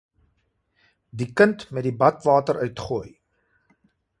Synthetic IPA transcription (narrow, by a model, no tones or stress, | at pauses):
dikəntmɛt̚dibɐtvɑːtəɾʔœɥtχuːj